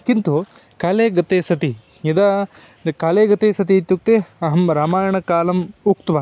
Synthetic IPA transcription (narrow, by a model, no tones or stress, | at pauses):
kint̪u | kaːleːɡɐt̪eːsɐt̪i | id̪a | kaːleːɡɐt̪eːsɐt̪̬it̪ːjuk̚t̪eɐɦɐmɾaːmaːjɐɳɐkaːlɐmukt̪ʋa